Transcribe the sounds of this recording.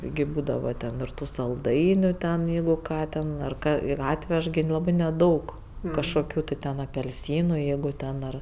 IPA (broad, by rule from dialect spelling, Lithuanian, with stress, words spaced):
tʲɪˈɡʲɪ ˈbuːdɐʋɐ tʲɛn ɪr ˈtuː sɐlˠˈdɐɪnʲʊ tʲɛn jɛɪɡʊ ˈkɑː tʲɛn ɐr ˈkɑː ɪr ˈɑːtʲʋʲɛʃ ɡʲɪ ˈlˠɑːbɜ nʲɛˈdɐʊk kɐʃkoːˈkʲuː tʲɪ ˈtʲɛn ɐpʲɛlʲˈsʲiːnʊ ˈjɛɪɡʊ ˈtʲɛn ɐr